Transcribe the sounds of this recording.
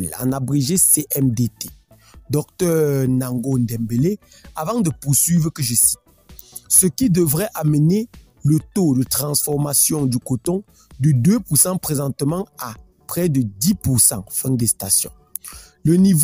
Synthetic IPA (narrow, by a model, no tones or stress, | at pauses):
lã̰nabʁiʒeseʔɛmd̪et̪e̥ | d̪ɔk̚t̪œːʁʁnaŋɡond̪ɛ̃mbele | avɑ̃d̪əpuʁsɥivʁəkəʒəsi̥t̪̚ | səkid̪əvʁɛʔaməne | lət̪od̪ət̪χɑ̃sfɔʁmasjɔ̃d̪ykot̪ɔ̃ | d̪əd̪øpuʁsɑ̃pχezɑ̃t̪əmɑ̃a | pχɛd̪əd̪ipuʁsɑ̰̃fɛ̃d̪ɛst̪asjɔ̰̃ | ləniv